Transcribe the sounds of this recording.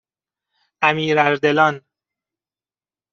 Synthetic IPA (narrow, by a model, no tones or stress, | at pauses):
ʔæmiːɾæɾd̪elɒːn